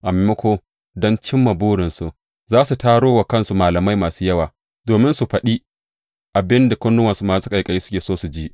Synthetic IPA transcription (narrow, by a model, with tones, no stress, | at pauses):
ʔa˨mɛ˨mɐ˦kʷoː˦ | dɔ˦nt͡ʃɪ˦mːa˨buː˦ɽɪ˨nsu˨ʔ | zaː˦su˨taː˦ɽoː˦wa˨kɐ˦nsu˨maː˨lɐ˨ma˦jmaː˨su˦jɐ˦waː˨ | doː˨mɪ˦nsu˨ɸɐ˨ɗiː˦ | ʔa˨bɪ˦nda˨kʷʊ˦nːʊ˦wɐ˨nsu˦maː˨˦sʊ˦ka˨jkʼɐ˨jiː˦sʊ˦kʲeː˨soː˦su˨d͡ʒiː˦ʔ